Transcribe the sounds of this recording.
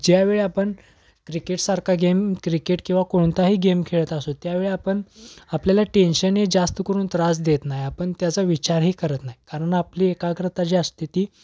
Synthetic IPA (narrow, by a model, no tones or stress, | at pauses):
d͡ʑjaʋeɭeapəɳ | kɾikeʈsaɾkʰaɡemkɾikeʈkĩw̃ʋakoɳ̃t̪aɦiːɡemkʰeɭət̪asot̪jaʋeɭeapəɳapljalaʈenɕənɦed͡zast̪əkəɾuːnt̪ɾasd̪et̪najapəɳt̪jat͡saʋit͡ɕaɾɦiːkəɾət̪naɦjikaɾəɳapliːekakɾət̪at͡ɕiəst̪it̪iː